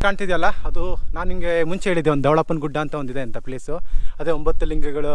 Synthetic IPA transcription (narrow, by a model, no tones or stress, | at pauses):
kaːɳt̪id̪ijɐlːɐɐd̪unaːniŋɡemuɲt͡ʃeːɭid̪ːeond̪ud̪eʋɭɐpːɐnɡuɖːaːnt̪ɐond̪id̪eɐnt̪ɐpleːsuɐd̪eːombɐt̪ːuliŋɡɐɡɐɭu